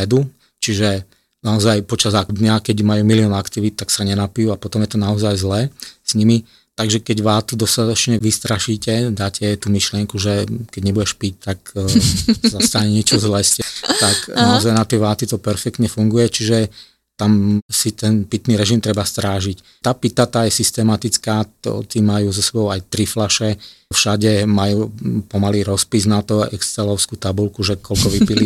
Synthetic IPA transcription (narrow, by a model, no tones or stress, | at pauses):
ɛd̪u | t͡ʃiʒɛ | naɔzajpɔt͡ʃazad̪ɲakɛɟmajuːmiliɔnakt̪iʋit̪̚t̪ːaksaɲɛnapijuapɔt̪ɔmjɛt̪ɔnaɔzajzlɛːsɲimi | t̪aɡʒɛkɛɟʋaːt̪ud̪ɔst̪at̪ɔt͡ʃɲɛʋist̪ɾaʃiːcɛd̪aːcʰɛt̪umiʃlɪɛŋkuʒɛkɛɟɲɛbuɟɛʃpic̚t̪ak | sazast̪aɲɛɲɪɛt͡ʃɔzlɛːscɛt̪aknaɔzajnat̪ɛʋaːt̪it̪ɔpɛɾfɛkt̪ɲɛfuŋɡujɛt͡ʃiʒɛ | t̪amsit̪ɛnpit̪niːɾɛʒimt̪ɾɛbast̪ɾaːʒic | t̪aːpit̪at̪aːjɛsist̪ɛmat̪it͡skaːt̪ɔ̰t̪imajuːzɔsɛbɔʊajt̪ɾiflaʃɛfʃaɟɛmajuːpɔmaliːɾɔspiznat̪ɔɛ̰kst͡sɛlɔʊskuːt̪abulkuʒɛkʰɔlkɔʋipili